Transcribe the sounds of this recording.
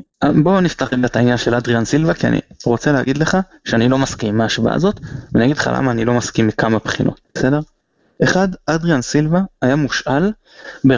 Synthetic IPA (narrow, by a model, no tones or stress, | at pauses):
abo̞niftaχleɡatainjanʃe̞lad̪ʁiansilvakia̰nʔḭʁo̞t͡selehaɡid̪le̞χa | ʃeanilo̞maskimːaːʃva̰ʔa̰zo̞t̪venijaɡid̪leχa̰la̰maːnilo̞maskimːikamapχinʔo̞̰t̪̚ese̞de̞ʁ | e̞χad̪ad̪ʁiansilvaajamuʃʔal | be